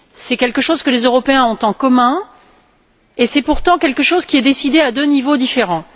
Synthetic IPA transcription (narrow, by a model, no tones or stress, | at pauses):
sɛkʲɛlkəʃozkəlezøʁɔpeɛ̃ɔ̃t̪ɑ̃kɔmɛ̃ | esɛpuʁt̪ɑ̃kʲɛlkəʃozkʲiɛd̪esid̪ead̪ønivod̪ifeʁɑ̃